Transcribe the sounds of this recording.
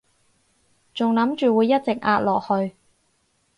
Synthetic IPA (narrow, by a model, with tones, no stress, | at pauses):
t͡sʊ˨ŋlɐ˨˥mt͡ʃyː˨wuː˨˧jːɐ˥t̚t͡sɪ˨k̚ʔaː˧t̚lɔː˨k̚hɵ˧ɥ